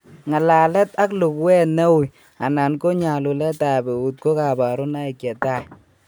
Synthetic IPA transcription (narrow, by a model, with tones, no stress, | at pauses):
ŋa˨la˨lɛ˦ta˦klu˨kwɛ˦nɛ˦wu˨j | a˨na˨nko˦ɲa˨lu˨lɛ˦ta˨be˨u˨t̚ko˦ka˨ba˨ɾʊ˦na˦i˨kɛ˨ta˦j